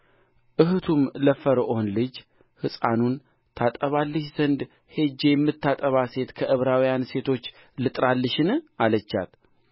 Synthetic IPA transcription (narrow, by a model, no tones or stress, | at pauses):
ʔɨɦɨt̪ʰumləfəɾəʔonlɨd͡ʒ | hɨsʼanun | t̪ʰat̪ʼəβalːəʃz̥ənd̪ | he̞d͡ʒːejɛmːɨt̪ːat̪ʼəβase̞t̪kʰəʔɨβɾawijanse̞t̪ʰo̞t͡ʃː | lɨt̪ʼɾalːɨʃɪnalət͡ʃːa̰t̪